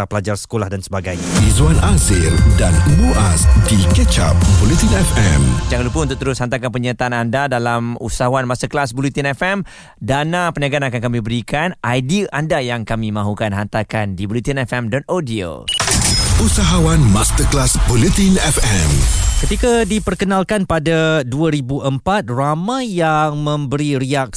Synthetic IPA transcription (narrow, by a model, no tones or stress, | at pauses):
apəlad͡ʒarsə̥kolahdansə̥baɡajɲizwanasɪldanmuʔasdikət͡ʃa̰p̚bɔlit̪inɛfɛmd͡ʒaŋɡalupuunt̪ʊk̚t̪əɾʊshant̪akanpəɲat̪aanandadalamusaɦawanmast̪əklasbulit̪inɛfɛm | danapəniaɡanakankamibəɾikanʔajdiʔandajaŋkamimãɦukanɦant̪akandibulit̪inɛfɛmdɔt̪odio̰ | usaɦawanmast̪əklasbolit̪inɛfɛmkət̪ikadipərkənalkanpadaduaɾibuʔəmpat̪̚ramãjjaŋmə̃mbəɾiɾiak̚